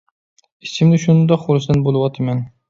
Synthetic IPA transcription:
isɪmnɪʃunɨnd̪ɑqːolˠɨsd̪ɨnbolˠɨwɑt̪ʰɪmɛn

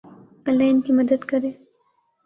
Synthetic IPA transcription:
alajnkemad̪ad̪kaɾe

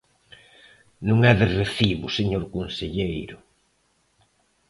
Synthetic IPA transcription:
nũŋɛðɪreθiβʊseɲoɾkonseʎejɾʊ

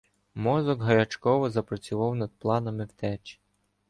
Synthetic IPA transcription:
mɔzɔɡɦɐɾʲɐt͡ʃkɔʋɔzɐpɾɔt͡sʲʊʋɑwnɐd̪̚plˠɑnɐmɪwt̪ɛt͡ʃ

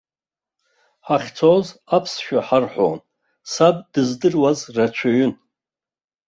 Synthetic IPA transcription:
ħaχʲt͡sʰozapʰsʃᶣaħarħʷo̰n | sab̚dɨzdɨrwazrat͡ʃʷʰaɥʏn

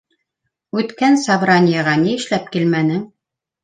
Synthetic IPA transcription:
ʉt̪kænsabɾanʲɪjɑʁɑniɘ̆ʃlæp̚kilmænɘŋ

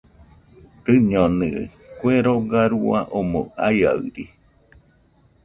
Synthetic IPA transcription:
ɾɨɲonɨ̰kweɾoɡaɾua̰ʔomõaja̰ɯ̰ɾi

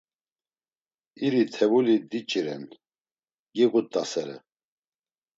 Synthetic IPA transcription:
iɾit̪ʰɛvulid̪it͡ʃʼiɾɛn | ɡiɣut̪ʼːasɛɾɛ̰

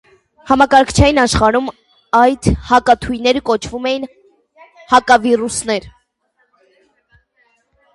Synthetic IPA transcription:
hɑmɑkɑɾkʰt͡ʃʰɑjinɑʃχɑɾum | ɑjt̪ʰhɑkɑt̪ʰujnɛɾəkɔt͡ʃʰvumɛjin | hɑkɑvirusnɛɾ

